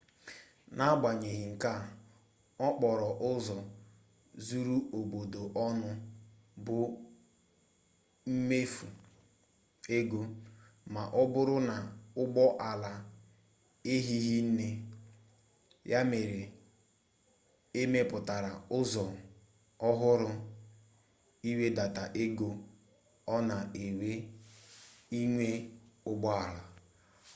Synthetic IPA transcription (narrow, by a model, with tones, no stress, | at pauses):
na˦ɡ͡ba˨ɲe˨ɦi˨ŋ̩˨ka˦˨ | ɔ˦k͡pɔ˨ɾɔ˨ʔʊ˦zɔ˨ | zu˦ɾu˦o˨bo˨do˨ʔɔ˦nʊ˦ | bʊ˨ | m̩˦me˦fu˨ | e˦ɡo˦ | ma˨ʔɔ˦bʊ˦ɾʊ˦na˨ʊ˦ɡ͡bɔ˦ʔa˨la˨ | e˦ɦi˦ɦi˦n̩˦ne˦ | ja˦me˨ɾe˨ | e˦me˦pʊ˨ta˨ɾa˨ʊ˦zɔ˨ | ɔ˦ɦʊ˦ɾʊ˦ | i˦we˦da˨ta˨ʔe˦ɡo˦ | ɔ˦na˨e˨we˦ | i˦ŋʷe˦ʊ˦ɡ͡bɔ˦a˨la˨